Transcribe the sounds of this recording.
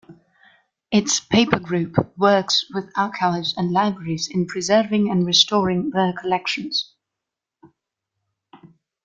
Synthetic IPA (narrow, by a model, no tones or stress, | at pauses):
ɪtspʰeɪpʰəɡɹʉˑpwɜˑkswɪðaʊt̚kʰaʊzə̃nlaɪbɹəɹizɪ̃npʰɹ̥ɪzɜːvɪ̃ŋə̃nɹɪstɔːɹɪ̃ŋðəkʰəlɛkʃə̃nz̥